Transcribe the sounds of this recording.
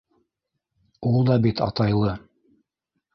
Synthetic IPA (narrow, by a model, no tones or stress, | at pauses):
ulˠd̪ɑbit̪ɑ̰t̪ɑjlˠɤ